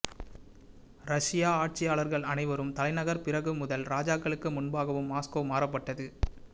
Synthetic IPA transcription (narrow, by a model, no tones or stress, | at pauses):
ɾɐʂɪjaːaːʈ̚t͡ʃɪjaːɭɐɾɣɐɭɐnɐɪʋɐɾɯmt̪ɐlɐɪnɐɣɐɾpɪɾɐɣɯmʊðɐlɾaːd͡ʒaːkːɐɭɯkːɯmʊnbaːɣɐʋɯmːaːskoːmaːɾɐpːɐʈːɐðɯ